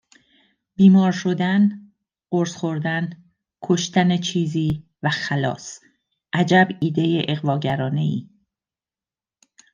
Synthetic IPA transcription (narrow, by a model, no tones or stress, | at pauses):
b̥iːmɒːɾʃo̞d̪æn | ɢoɾsχo̞ɾd̪æn | kʰoʃt̪ænet͡ʃʰiːziː | væxælɒ̰ːs | ʔæd͡ʒæbiːd̪e̞jeʔeɣvɒːɟæɾɒːne̞iː